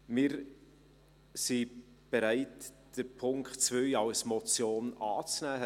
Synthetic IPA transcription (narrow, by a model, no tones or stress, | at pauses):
mɪːɾ | si | b̥eɾæɪt | d̥əpʰʊŋkχtt͡svœjɑwsmɔt͡sjoːnɑːt͡snæː